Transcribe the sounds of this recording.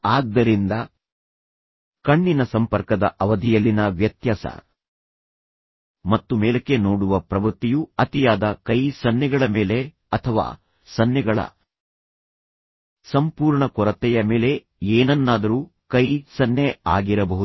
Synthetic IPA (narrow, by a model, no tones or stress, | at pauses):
aːɡ̚d̪ɐɾind̪ɐ | kɐɳːinɐsɐmpɐɾkɐd̪ɐʔɐʋɐd̪ʱijɐlːinɐʋjɐt̪jaːsɐ̰ | mɐt̪ːumɛːlɐkːenoːɽuʋɐpɾɐʋɾt̪ːijuɐt̪ijaːd̪ɐkɐjsɐnjɛɡɐɭɐmeːle̞ | ɐt̪ʰɐʋa̰ː | sɐnjɛɡɐɭɐ̰ | sɐmpuːɾɳɐkɔɾɐt̪ɛjɐmeːle̞ | eːnɐnːaːd̪ɐɾuː | kɐjsɐnːea̰ːɡiɾɐbɐɦu